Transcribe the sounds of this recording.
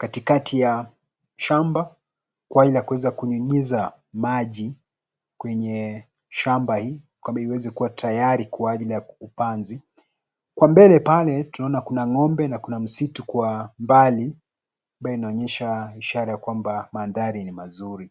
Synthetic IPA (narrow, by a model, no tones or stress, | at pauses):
katikatʰija | ʃamba | kwaaʄilijakuwɛzakuɲuɲiza | maʄi | kwɛɲɛ | ʃambahiː | kwambaiwɛzɛkuwatʰajaɾikuaaʄilijaupanzi | kwambɛlɛpalɛtunaɔnakunaŋɔmbɛnakunam̩situkwambali | amɓajɔinaɔɲɛʃaiʃaɾajakwambamanðaɾinimazuɾi